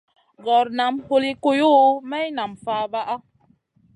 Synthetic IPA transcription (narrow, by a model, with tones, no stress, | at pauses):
ɣɔ˨ɾna˨mho˦li˦ko˦jo˦˨˦mɛ˦i˦na˨mfa˨˦ba˦ʔa˦